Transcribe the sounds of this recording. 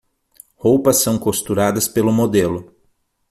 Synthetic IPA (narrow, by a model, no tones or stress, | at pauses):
howpɐsːɐ̃w̃kost̪uɾad̪ɐspelʊmod̪elʊ